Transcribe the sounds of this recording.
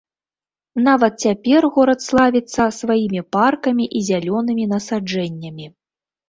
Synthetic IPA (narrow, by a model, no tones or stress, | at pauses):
navɐt̪̚t͡sʲapʲɛrɣɔɾɐt̪slˠavʲit̪sːɐsvajimʲiparkɐmʲiʔizʲalʲɔnɨmʲinɐsad͡ʐɛnʲːɐmʲi